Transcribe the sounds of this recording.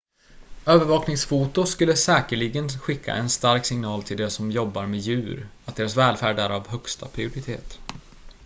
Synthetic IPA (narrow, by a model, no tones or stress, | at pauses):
øːvəɾvɑːknɪŋsfuːt̪ʊskɵlːəsɛːkəɭɪɡənɧɪkʰːa̰ʔɛnst̪aɾksɪŋnɑːlt̪ʰɪld̪esɔmjɔbːaɾmeːjʉ̟ːɾat̪̚d̪eːɾasvɛːlfæːɖæɾavɦœkst̪ʰa̰pʰɾɪʊɾɪt̪ʰḛːt̪